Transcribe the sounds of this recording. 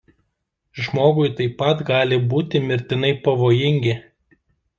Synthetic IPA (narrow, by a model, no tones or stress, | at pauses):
ʒmoːɡʊjt̪ɐɪpːɐt̪ɡɑːlʲɪbuːt̪ʲɪmʲɪɾʲt̪ʲɪnɐɪpɐʋoːjɪŋʲɡʲɪ